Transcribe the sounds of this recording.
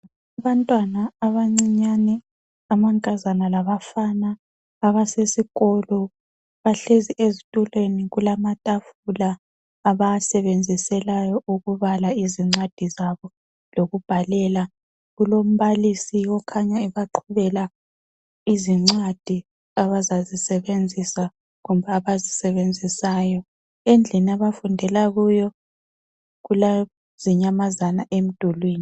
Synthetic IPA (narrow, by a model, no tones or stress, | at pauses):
aβantʼwanaːβaŋ͡ǀiɲanɛ | amaŋkʼazanalaβafanaː | βasesiɣɔlɔ | βaɬeziʔezitʼulweniɣulamatʼafulaː | βasɛβend͡zʱisɛlajɔuɣuβalaiziŋ͡ǀad̥ʱizaβɔ | loɣub̥ʱalɛla | ɣulom̩βalisiɔkʰaɲaɛβaǃʰuβɛla | iziŋ͡ǀad̥ʱi | aβazazisɛβend͡zʱisa | ɣumbʱaːβazisɛβend͡zʱisaːjɔ | end͡ɮʱiniaβafundʱɛlaɣujɔ | ɣula | z̥iɲamazanaʔem̩d̥ʱulwiːni